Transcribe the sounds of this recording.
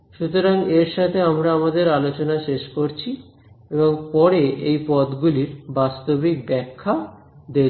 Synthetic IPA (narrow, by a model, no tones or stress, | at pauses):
ʃut̪oɾaŋeɾʃat̪ʰeamɾaamad̪eɾalot͡ɕonaʃeʃkoɾt͡ɕʰi | eboŋpɔɾeejpɔt̪ɡuliɾbast̪obik̚bɛkʰːa | d̪e